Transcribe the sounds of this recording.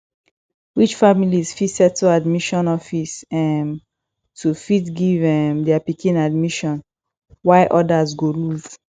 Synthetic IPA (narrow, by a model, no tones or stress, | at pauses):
wit͡ʃfamilizfitsɛtuadmiʃɔ̃nɔfisɛm | tʰufitɡivɛmdɛapikĩnad̚miʃɔ̃n | waɪʔɔdazɡoluz